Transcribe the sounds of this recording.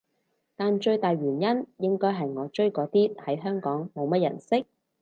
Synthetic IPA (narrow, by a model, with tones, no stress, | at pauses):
t̪aː˨nt͡ʃɵ˧ɥt̪aː˨jɥyː˨˩njɐ˥njɪ˥ŋkɔː˥jɦɐ˨jŋɔː˨˧t͡ʃɵ˥ɥkɔː˨˧t̪iː˥hɐ˨˥jɦœː˥ŋkɔː˨˥ŋmo˨˧wmɐ˥t̚jɐ̰˨˩nsɪ˥k̚